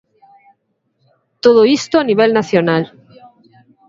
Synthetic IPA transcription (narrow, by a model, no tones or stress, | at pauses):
t̪oð̞oist̪oaniβ̞elnaθjonal